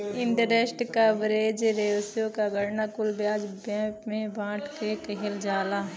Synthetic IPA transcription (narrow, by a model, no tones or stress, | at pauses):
ɪɳʈəɾesʈkabɾeːd͡ʒɾeːʋsjõkaɡəɽnakʊlbjaːd͡ʒbɛ̃ːpmẽbãːʈʰkekəɦɪld͡ʒaːlaɦ